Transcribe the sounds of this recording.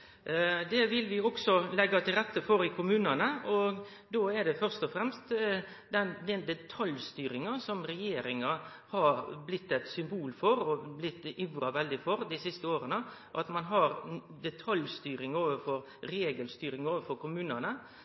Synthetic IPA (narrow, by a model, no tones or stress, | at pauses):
d̪ɛʋɪlʋɪɔɡsɔlɛɡːɑt̪ʰɪlɾɛt̪ːəfɔɾɪkʰʊmʉːnɑnəɔɡ | d̪oːɛɖɛfœɾst̪ɔfɾɛmst̪ | d̪ɛnd̪ɛnd̪ɛt̪ʰɑljst̪yːɾɪŋɑsɔmɾɛjeːɾɪŋɑ | hɑɾblɪt̪ːɛt̪sʏmbuːlfɔɾɔblɪt̪ːɪʋɾɑʋɛld̪ɪfɔɾd̪ɪsɪst̪əoːɾənəʔɑt̪mɑnɦɑɾ | d̪ɛt̪ʰɑljst̪yːɾɪŋoːʋəfɔɾ | ɾeːɡəlst̪yːɾɪŋoːʋəfɔɾkʊmʉːnɑnə